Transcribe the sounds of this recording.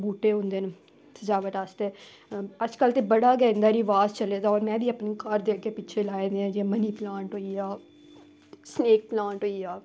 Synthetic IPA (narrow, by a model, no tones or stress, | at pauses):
buːʈeːɦõnd̪eːn | səd͡ʒaːʋəʈaːst̪eː | əd͡ʒkəlt̪eːbəɽaːɡɛːɪnd̪aːɾiʋaːzt͡ʃəleːd̪aːɔːɾmɛ̃ːbiːapnekəɾd̪eːkʰkːeːpiːt͡ʃʰeːlaːẽd̪eãːd͡ʒeːməniːplãːɳʈɦoːiaː | sneːk̚plãːʈɦoːiːaː